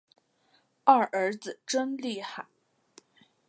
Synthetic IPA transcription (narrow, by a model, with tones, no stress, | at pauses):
a˥˩ʔə˞˧˥d͡zɹ̩˨˩ʈ͡ʂə˥nli˥˧˩xa˨˩˦n